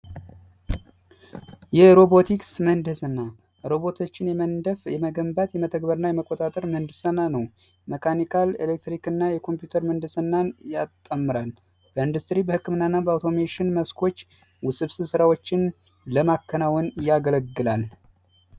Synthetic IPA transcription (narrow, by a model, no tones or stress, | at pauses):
jɛɾo̞bo̞t̪ʰiksmənd̪ɨsɨnːa | ɾo̞βo̞t̪ʰot͡ʃːɪnjɛmənd̪əfjɛməɡəmbat̪jɛmət̪ʰəɡbəɾɨnːajɛməkʼːo̞t̪ʼat̪ʼəɾmənd̪ɨsananəw | məkʰanikʰalelek̚t̪ɾikɨnːajɛkʰo̞mpjut̪ʰəɾmənd̪ɨsɨnːanjat̪ʼːəmːɨɾal | b̥əɨnd̪ust̪ɾibəhɨkːɨmɨnːaɨnːabəawt̪ʰo̞meʃɪnməskʰo̞t͡ʃː | wʊsɨβsɨβsɨɾawot͡ʃːɪn | ləmakʰːənawɔnjaɡələɡːɨlal